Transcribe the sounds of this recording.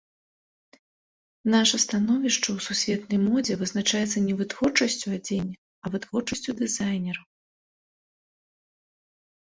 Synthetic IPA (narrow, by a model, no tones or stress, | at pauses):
naʂɐst̪anɔvʲiʂt͡ʂɐwsusʲvʲɛt̪nɐjmɔd͡zʲɛvɨznat͡ʂajɛt̪sːɐnʲɛvɨt̪vɔrt͡ʂɐsʲt͡sʲuad͡zʲɛnʲ | ɐvɨt̪vɔrt͡ʂɐsʲt͡sʲud̪ɨzajnʲɛɾɐw